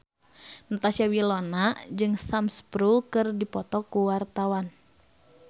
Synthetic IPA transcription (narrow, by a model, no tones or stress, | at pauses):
nɔt̪asiawilɔnad͡ʒɨŋsamspɾukɨrdipɔt̪ɔkuwart̪awan